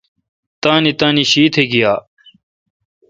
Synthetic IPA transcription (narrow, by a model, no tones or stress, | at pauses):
t̪aːnit̪aːniɕiːt̪ʰeɡijaː